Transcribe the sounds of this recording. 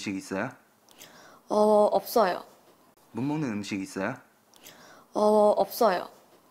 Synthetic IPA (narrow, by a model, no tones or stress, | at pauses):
ɕiɡis͈ʌjo | ʌʔʌp̚s͈ʌjo̰ | munmoŋnɯnɯmɕiɡis͈ʌjo | ʌʌp̚s͈ʌjo̰